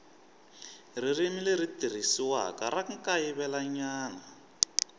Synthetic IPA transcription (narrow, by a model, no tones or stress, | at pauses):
r̤irimilerit̪ir̤isiwa̰ka̰raŋ̩kajiβɛlaɲaːna